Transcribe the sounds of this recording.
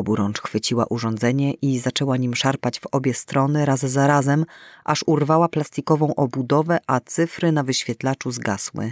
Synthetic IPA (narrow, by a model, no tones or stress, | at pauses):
ɔbuɾɔnt͡ʂxfɘt͡ɕiwa̰ʔuʐɔ̃nd̪zɛɲɛʔizat͡ʂɛwaɲimʂaɾpad͡ʑvɔbʲjɛst̪ɾɔnɘɾazzaɾazɛmʔaʂurvawaplast̪ikɔvɔ̃w̃ʔɔbud̪ɔvɛʔat̪sɘfɾɘnavɘɕfʲjɛt̪lat͡ʂuzɡaswɘ̰